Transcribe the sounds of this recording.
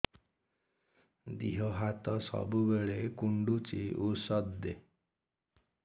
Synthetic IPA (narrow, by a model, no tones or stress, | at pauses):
d̪iɦɔɦat̪ɔsɔ̰bubeɭekuɳɖut͡ʃiusɔd̪e